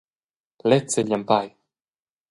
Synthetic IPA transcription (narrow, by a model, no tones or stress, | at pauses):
lɛt̪sɛʎʲampaj